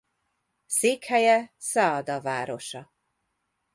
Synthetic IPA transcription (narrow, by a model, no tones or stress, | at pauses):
seːkhɛjɛsɒːd̪ɒvaːɾo̞ʃɒ